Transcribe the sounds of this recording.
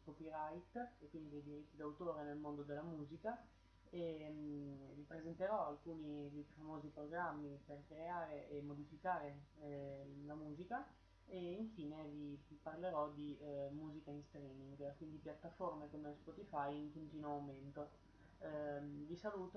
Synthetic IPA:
kɔpiɾajt̪ekːwind̪id̪ejd̪iɾit̪ːid̪awt̪oːɾenelmond̪od̪elːamuːzika | e | vipɾezent̪eɾɔalkuːnid̪ejfamoːzipɾoɡɾamːiperkɾeaːɾeʔemːod̪ifikaːɾe | lamuːzika | eiɱfiːneviparleɾɔd̪imuːzikainst̪ɾiːmiŋɡkwind̪ipjat̪ːaformekomespɔt̪ifajiŋkont̪iːnoawment̪o | visaluːt̪o

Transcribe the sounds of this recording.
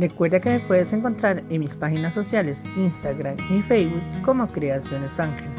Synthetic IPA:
rekweɾðakemepweðeseŋko̞nt̪ɾaɾenmispaxinasːosjalesinst̪aɣɾamifejβut̪komokɾeasjonesaŋxe

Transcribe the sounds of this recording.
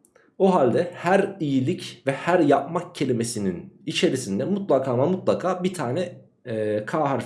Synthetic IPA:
oɦalʲd̪ɛhæɾijilʲicvɛhæɾjap̚mak̚cʰe̞lʲimesininit͡ʃʰe̞ɾisind̪ɛmut̪lˠakʰaːmamut̪lˠakʰaːbit̪ʰaːnɛ | kʰaːɦaɾ

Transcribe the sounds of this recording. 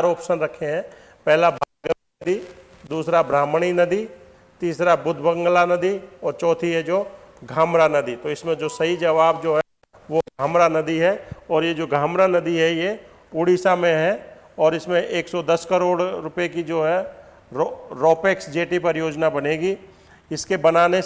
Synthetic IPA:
aɾɔːpʃənɾɐkʰeɦɛ̃ː | pɛɦlabʱaːɡənɐd̪i | d̪uːsɾabɾaːmɽ̃inɐd̪i | t̪iːsɾabʊd̪ʱbə̃ŋɡlanɐd̪iɔːɾt͡ʃɔːt̪ʰiɦɛd͡ʒoː | ɡʱaːmɾanɐd̪it̪oɪsmẽd͡ʒoːsɐɦid͡ʒɐʋaːbd͡ʒoːɦɛ | ʋoɡʱaːmɾanɐd̪iɦɛɔːɾjed͡ʒoːɡʱaːmɾanɐd̪iɦɛje | pʊɽiːsamẽɦɛ | ɔːɾɪsmẽʔeːksɔd̪ɐskəɾoːɽɾʊpjekid͡ʒoːɦɛ | ɾɾɔːpeksd͡ʒeːʈipɐɾjoːd͡ʒnabɐneːɡi | ɪskebɐnaːne

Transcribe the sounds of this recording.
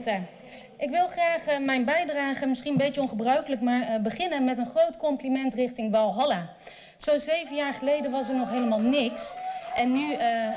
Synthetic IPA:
tə | ʔɪkʋɪlˠχraːχmɛjnbɛjdraːχəmɪsχinənbejəɔ̃nχəbrœɥkələkmaːɹbəχɪnənmɛtənχrowtkɔmplimɛntrɪχtɪŋʋɑlˠɦɑla | z̥ozejvənjaːɹχəlejdəʋɑs̬ɛɹnɔχɦejləmaːlˠnɪksʔɛnːy

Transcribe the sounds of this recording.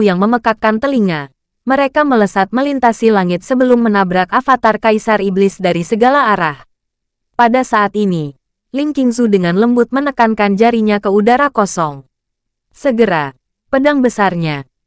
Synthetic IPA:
jaŋməməkakːant̪əliŋa | məɾekamələsat̪̚məlint̪asilaŋɪt̪̚səbəlʊmːənabɾakafat̪arkaisariblɪsdaɾisəɡalaːɾah | padasaat̪ini | liŋkiŋsudəŋanləmbʊt̪̚mənəkankand͡ʒaɾiɲakəudaɾakɔsɔŋ | səɡəɾa | pədaŋbəsarɲa

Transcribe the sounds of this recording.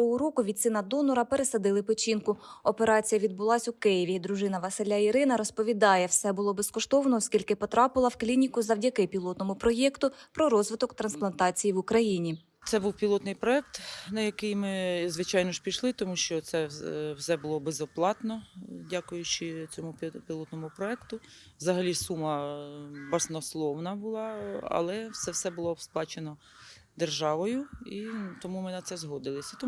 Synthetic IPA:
ɔɦʊɾɔkʊʋʲit̪sɪnɐd̪ɔnɔɾɐpe̞ɾesɐd̪ɪlˠɪpɪt͡ʃʲinkʊɔpeɾɑt͡sʲijɐʋʲid̪̚bʊlˠɑsʲʊkɪjɪʋʲid̪ɾʊʒɪnɐʋɐsɪlʲːaiɾɪnɐɾɔspɔʋʲid̪ɑjɛwsɛbʊlˠɔbeskɔʃt̪ɔʋɐnɔːskʲilʲkɪpɔt̪ɾɑpɪlˠɐwklʲinʲikʊzɐwdʲɐkɪpʲilˠɔt̪nɔmʊpɾɔjɛkt̪ʊpɾɔɾɔzʋɪt̪ɔkt̪ɾɐnsplˠɐnt̪ɑt͡sʲijiʋʊkɾɐjinʲi | t̪sɛbuwpʲilˠɔt̪nɪjpɾɔɛk̚t̪nɐjɐkɪjmɪzʋɪt͡ʃɑjnɔʃpʲiʃlˠɪt̪ɔmuʃt͡ʃɔt̪sɛwsɛbʊlˠɔbezɔplˠɑt̪nɔdʲakʊjʊt͡ʃɪt͡sʲɔmʊpʲpʲilˠɔt̪nɔmʊpɾɔɛkt̪ʊ | ʋzɐɦɐlʲisumɐ | bɐsnɔslˠɔwnɐbʊlˠɑɐ̰lˠɛwsɛwsɛbʊlˠɔsplˠɑt͡ʃenɔ | d̪erʒɑʋɔjʊit̪ɔmumɪnɐt̪sɛzɦɔd̪ɪlˠɪsʲɐt̪ɔ

